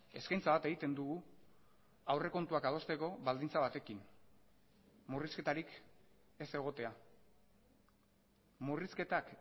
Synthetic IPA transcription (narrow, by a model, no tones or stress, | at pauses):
e̞skajnt͡saβat̪e̞ɣit̪e̞nd̪uɣu | awre̞ko̞nt̪uakað̞o̞st̪e̞ko̞βald̪int͡saβ̞at̪e̞kin | muriske̞t̪aɾik | e̞se̞ɣ̞o̞t̪e̞a | muriske̞t̪ak